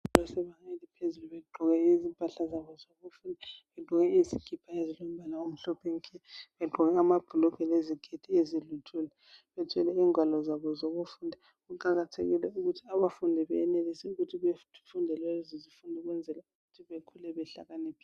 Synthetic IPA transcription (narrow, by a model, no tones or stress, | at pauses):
lɔsɛβaŋelipʰezuluβɛɡ͡ǃʱɔɣɛizimpʼaɬazaβɔzoβufuːndʱaβedʱuɣɛiziɡ̥ʰʱipʰaezilom̩bʱalaom̩ɬɔpʰeŋikʰɛβɛɡ͡ǃʱɔɣɛamab̥ʱulɔkʰɛleziɡ̥ʱed̥ʱiezilutʰulɛ | βɛtʰɛlɛiːŋwalɔzaβɔzoɣufuːndʱa | ɣuǃaɣatʰḛɣḭlɛuɣutʰiaβafundʱɛβɛɛnelisɛuɣutʰiβefundʱɛlwɛzizifundʱɛɣwɛnd͡zʱɛlauɣutʰiβekʰulɛβɛɬa̰ɣanepʰi